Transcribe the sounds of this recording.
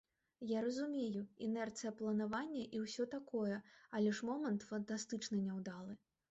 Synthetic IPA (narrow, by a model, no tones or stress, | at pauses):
jaɾɐzumʲejuinɛrt̪sɨjɐplˠɐnavanʲːɐʔiwsʲɔt̪akɔjɛɐlʲɛʂmɔmɐnt̪fɐnt̪ast̪ɨt͡ʂnɐnʲɛwd̪alˠɨ